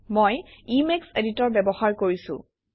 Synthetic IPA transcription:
mojimekseditɔɹbɛbɔhaɹkoɹisʊ̰̃

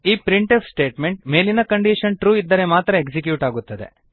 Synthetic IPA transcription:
iːpɾiɳʈefsʈe̞ːʈme̞ɳʈ̚me̞ːlinɐkɐɳɖiːʂɐnʈɾuːid̪ːɐɾemaːt̪ɾɐeksikjuːʈaːɡut̪ːɐd̪e̞̰

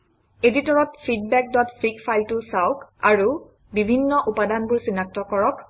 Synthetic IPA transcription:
editɔɹɔtpʰid̚bɛk̚dɔtfikpʰajltʊsawkaɹu | bibʱinːɔʔupadanbuɹsinak̚tɔkɔɹɔk

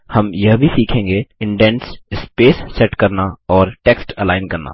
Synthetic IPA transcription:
hɐmjɐɦbʱisiːkʰẽːŋɡeɪ̃ɳɖɛ̃ːnsɪspeːsːɛʈkɐɾnaɔːɾʈeːksʈəlaːɪnkɐɾna̰ː

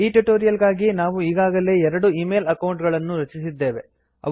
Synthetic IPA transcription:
iːʈuʈoːɾijɐlɡaːɡinaːʋuiːɡaːɡɐle̞ɛɾɐɽuiːmeːlɐkɐwɳʈɡɐɭɐnːuɾɐt͡ʃisid̪ːe̞ːʋe | ɐ̰

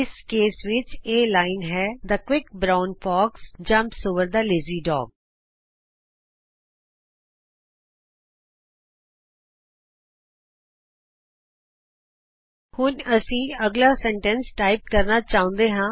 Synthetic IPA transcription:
ɪskeːsʋɪt͡ʃeːlaːɪnɦɛːd̪aːkwɪkbɾaːʊnpʰɔːksd͡ʒə̃mpsoʋəɾd̪aːlɪziːɖɔ̰ːɡ̚ | hʊnəsĩːəɡlaːsɛ̃ːɳʈənsʈaːɪp̚kəɾnaːt͡ʃaːʊ̃nd̪eːɦãː

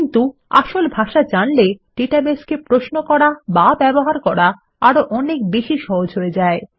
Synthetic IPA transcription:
nt̪ua̰ʃolbʱaʃad͡ʑanleʈeʈabeskepɾosnokɔɾababɛboɦaɾkɔɾa | aɾoʔɔnek̚beʃiʃɔɦod͡ʑʱɦoed͡ʑae

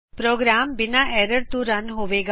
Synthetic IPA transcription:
pɾoːɡɾaːmbɪnaʔɛːɾəɾt̪ũɾɐnɦoːʋeːɡ

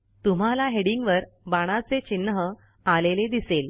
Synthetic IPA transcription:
t̪um̤alaɦeɽiŋɡʋəɾ | baɽ̃at͡set͡ɕinːɦə | aleled̪isel

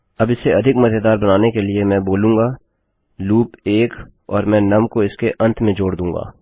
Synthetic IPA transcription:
ɐbɪseɐd̪ʱɪkmɐt̪ed̪aːɾbɐnaːnekelɪemɛ̃ːboːlũːŋɡaː | luːpeːk | ɔːɾmɛ̃ːnɐmkoɪskeʔɐ̃nt̪ʰmẽd͡ʒoːɽd̪ũːŋɡa̰ː

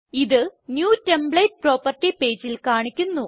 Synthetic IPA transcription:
iðɨnjuːte̞mbɭejt̚pro̞ːpɐrʈːipe̞ːd͡ʑilkaːɳikʲːunːu

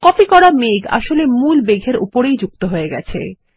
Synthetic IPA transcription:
kɔpikɔɾameɡa̰ʃolemulbeɡʱeɾṵpoɾejd͡ʑuk̚t̪oɦoeɡɛ̰t͡ɕʰḛ

